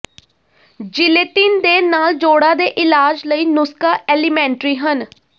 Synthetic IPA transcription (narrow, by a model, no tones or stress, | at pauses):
d͡ʒɪleːt̪iːnd̪eːnaːld͡ʒoːɽãːd̪eːʔɪlaːd͡ʒləiːnʊskaːʔɛːlimɛ̃ːɳʈɾiːɦən